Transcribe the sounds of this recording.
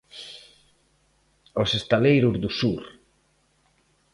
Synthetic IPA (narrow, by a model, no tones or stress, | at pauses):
osest̪alejɾʊzðusuɾ